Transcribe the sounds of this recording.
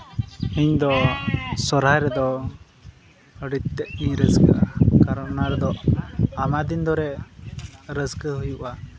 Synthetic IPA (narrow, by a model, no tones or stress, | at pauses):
iɲd̪ɔsɔɾajɾɛd̪ɔ | əɖit̪̚t̪ɛʔ̪̚iɾəskəʔakaɾɔʔnaɾɛd̪ɔʔamad̪ind̪ɔɾɛ | ɾəskəɦujuʔa